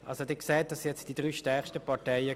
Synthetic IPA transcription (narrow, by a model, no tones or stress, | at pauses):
ʔɑ̰lsodɛːkseːt̚d̥ɑsjɛt͡sd̥idʁyːʃtɛɐχʃtəpɑʁtaɪə